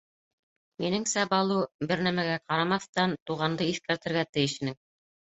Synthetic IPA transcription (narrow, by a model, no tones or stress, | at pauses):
minɘŋsæbɑlˠubɘɾnæmæɡæqɑɾɑmɑθt̪ɑnt̪uʁɑnd̪ɤiθkæɾt̪ɘ̆ɾɡæt̪ɘ̆jɘ̆ʃɘ̆nɘŋ